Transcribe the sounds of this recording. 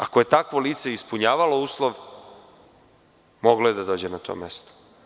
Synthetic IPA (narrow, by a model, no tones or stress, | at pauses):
ako̞je̞t̪akʋo̞liːt̪se̞ispuɲaːʋalo̞uːslˠoʋ | moɡlojed̪ad̪oːd͡ʑe̞nat̪o̞̰ːmest̪o̥